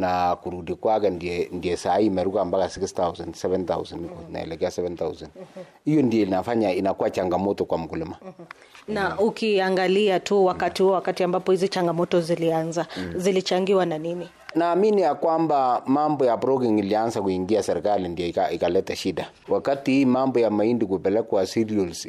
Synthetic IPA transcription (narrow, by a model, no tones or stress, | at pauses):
nakuɾudikwakɛndiɛndiɛsaimɛɾukambakasikst̪awsɛndsɛvɛnt̪a̰wsɛndkɔna̰ɛ̰lɛkɛasɛvɛnt̪awsand | ijɔndiɛlnafaɲainakuat͡ʃaŋɡamɔtɔkwamukulɪma | naʔukiaŋɡaliatuwakatihuɔwakatiambapɔhizit͡ʃaŋɡamɔtɔzilianzazilit͡ʃaŋɡiwananini | naːminijakwambamambɔjabɾɔkiŋiliansakuiŋɡiasɛɾikalindiɛikaikalɛtaʃida | wakatihiːmambɔjamaindikupɛlɛkwasiɾiɔls